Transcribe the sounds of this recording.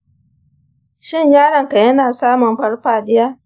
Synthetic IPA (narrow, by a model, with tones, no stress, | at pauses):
ʃɪ˦˨ɲjaː˦ɽɐ˨ŋka˨jɐ˦naː˨saː˦mʊ˨mɸɐ˦ɽɸaː˨ɗɪ˦jaː˦